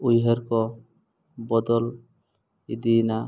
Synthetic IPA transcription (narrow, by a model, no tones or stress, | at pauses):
ujɦeɾkɔ | bɔd̪ɔl | id̪ina